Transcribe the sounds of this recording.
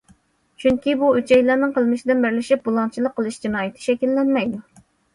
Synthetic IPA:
t͡ʃʰyŋkʲibuøt͡ʃʰɛjlˠɑɾnɨŋqʰəlˠmɨʃid̪ɪnbɪɾlɪʃip̚bulˠɑnt͡ʃʰilˠəqʰːəlˠɨʃd͡ʒɑnɑːjɪt̪ʰɪ̥ʃɛkʲilːɛnmɛjd̪u

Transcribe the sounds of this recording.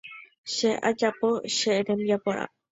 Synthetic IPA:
ʃeʔa̰d͡ʒapoʃeʔɾemjapoʔa̰

